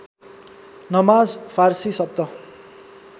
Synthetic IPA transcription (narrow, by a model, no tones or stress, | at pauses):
nʌmad͡zpʰarsisʌb̚d̪ʌ